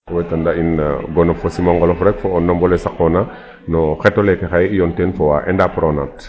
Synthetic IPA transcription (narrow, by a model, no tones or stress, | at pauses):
wɛjtandainɡɔnɔfɔsimaŋɡɔlɔfɾɛkfɔɔnːɔmbɔlɛsakːɔna | nɔxɛtːɔlɛtɛxajjɔntɛnfɔwaʔɛ̰ndapɾɔnat